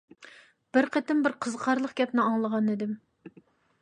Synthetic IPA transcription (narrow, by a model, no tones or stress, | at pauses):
b̥ɪɾqʰet̪ɪmbɪɾqʰəzqʰɑɾlˠəχɡʲɛpnɪɑŋlˠəʁɑnɪd̪ɪm